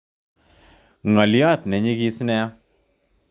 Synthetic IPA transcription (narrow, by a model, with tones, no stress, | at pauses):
ŋa˨ljɔ˦˨t̪nɛ˨ɲi˦ki˦snɛ˦a˦